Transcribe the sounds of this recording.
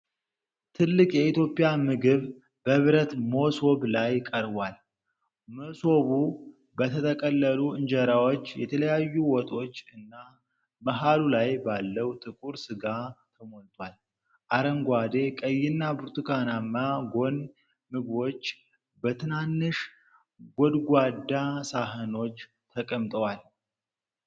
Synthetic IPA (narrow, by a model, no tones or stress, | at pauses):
t̪ʰɨlːɨkʼjɛit̪jo̞pʼjamɨɡɨβ | bəβɾət̪moso̞βlajkʼəɾβwal | moso̞βu | bət̪ʰət̪ʰəkʼəlːəluɨnd͡ʒəɾawot͡ʃːjɛt̪ʰələjajːuwɔt̪ʼo̞t͡ʃːɨnːa | məɦalulajbalːəwt̪ʰʼɨkʼuɾsɨɡat̪ʰəmolt̪ʼwal | ʔaɾəŋɡʷad̪ekʼəjːɪnːabɨɾt̪ʼɨkʰanamːaɡo̞n | mɨɡwo̞t͡ʃː | bət̪ʰɨnanːɨʃ | ɡod̪ɡʷad̪ːasaɦəno̞t͡ʃː | t̪ʰəkʼəmt̪ʼəwal